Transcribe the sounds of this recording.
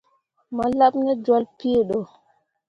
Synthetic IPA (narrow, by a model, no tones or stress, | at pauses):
malabnɛd͡ʒalpiɗɔ